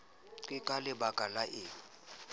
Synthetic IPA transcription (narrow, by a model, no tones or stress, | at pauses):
kʼɪkʼalɪbakʼalaʔɪ